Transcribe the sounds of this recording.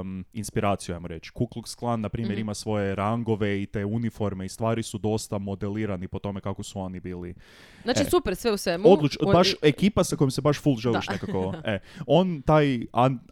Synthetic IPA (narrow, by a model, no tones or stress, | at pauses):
inspiɾaːt̪sijuajmoɾe̞t͡ʃkuklˠuksklˠanːapɾiːmjeɾimasʋo̞je̞ɾaŋɡo̞ʋe̞it̪e̞ːunifo̞ɾme̞ist̪ʋaːɾisud̪o̞st̪amo̞d̪eliːɾanipo̞t̪o̞me̞kakosuonibiːlḭ | nat͡ʃisupeɾsʋeusʋemuod̪lˠut͡ʃbaʃekiːpasako̞jimsebaʃfulˠʒeliʃnekakoeo̞nt̪aːjan